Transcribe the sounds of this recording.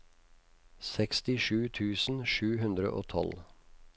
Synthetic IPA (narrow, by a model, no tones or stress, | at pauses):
sɛkst̪ɪʂʉːt̪ʰʉːsn̩ʃʉːɦʉnd̪ɾə̰ʔo̰ːt̪ʰɔ̰l